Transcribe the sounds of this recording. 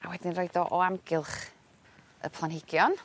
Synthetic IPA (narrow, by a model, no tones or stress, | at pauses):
awɛdɪnrojdɔʔɔamɡɪlˠχ | ə̰pʰlˠanhɪɡ̥jɔn